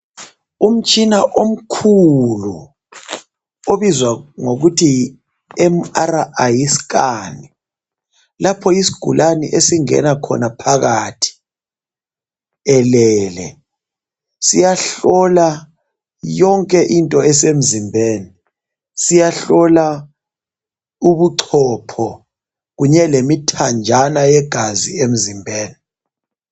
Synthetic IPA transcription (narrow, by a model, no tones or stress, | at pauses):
um̩t͡ʃʼinaʔom̩kʰulṵ | oβizwaŋoɣutʰi | ɛm̩aɾaʔajiskani | lapʰɔisi̥ɡ̥ʱṵlʔanḭʔesiŋɛ̰nakʰɔ̰napʰaɣaːtʰi̥ | ɛlɛːlɛ | sijaɬɔla | jɔŋkʼɛʔintʼɔɛsem̩zimbʱeːni | sijaɬɔla | uβuǀʰɔpʰɔ | ɣuɲɛlemitʰand͡ʒʱanajɛɡ̥ʱaziem̩zimbʱeːni